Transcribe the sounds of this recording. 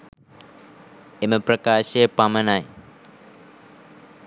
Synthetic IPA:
eməpɾəkaːʃepamənaj

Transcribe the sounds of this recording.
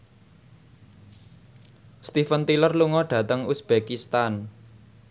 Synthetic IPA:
st̪ifənt̪ilərluŋɔɖ̥ä̤t̪əŋusb̥ekist̪an

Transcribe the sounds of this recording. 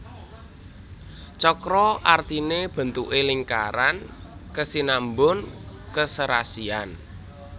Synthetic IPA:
t͡ʃɔkɾɔʔart̪ineb̥ə̤nt̪uʔeliŋka̰ɾankəsinambʊn | kəsəɾa̰sian

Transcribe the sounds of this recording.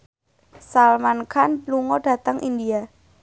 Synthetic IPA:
salmankʰanpluŋɔɖ̥a̤t̪əŋʔḭndia

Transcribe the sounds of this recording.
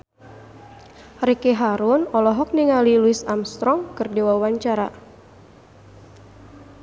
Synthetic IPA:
rekeɦaɾʊnɔlɔɦɔk̚niŋaliluisamst̪ɾɔŋkɨrdewauwaɲt͡ʃaɾa

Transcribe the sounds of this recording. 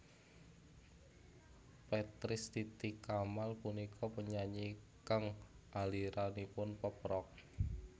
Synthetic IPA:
pɛt̪ɾɪst̪it̪ikamalpunikʰɔpəɲaɲikaŋʔaliɾanipʊnpəpɾɔk̚

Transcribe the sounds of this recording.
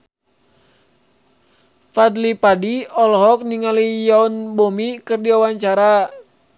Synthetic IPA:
fad̪lipadiɔlɦɔk̚niŋalijaunbomikɨrdiawaɲt͡ʃaɾa

